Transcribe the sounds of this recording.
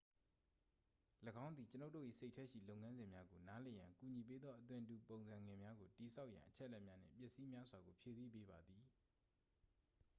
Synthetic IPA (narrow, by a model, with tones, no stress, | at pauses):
ləɡã˦ʊ̃nd̪i˨t͡ɕə˦no˦tːo̰˦˨ʔḭ˦˨se˦ɪtʰɛ˦ʔʃḭ˦˨lo˦ʊʔŋã˦nzɪ̃˨mja˦ɡo˨na˦lɛ˨jã̰˨ŋku˨ɲi˨p̬e˦d̪ðɔ˦ʔət̪̬wɪ̃˨tu˨põ˨ʊ̃nzã˨ŋɡɪ̃˨mja˦ɡo˨ti˨sʰa˦ʊʔjã̰˨ʔət͡ɕʰɛ˦ʔlɛ˦ʔmja˦n̥ɪ̰̃˦˨mp̬jɪ˦ʔsi˦mja˦zwa˨ɡo˨pʰje˨zi˦˨p̬e˦ba˨d̪ði˨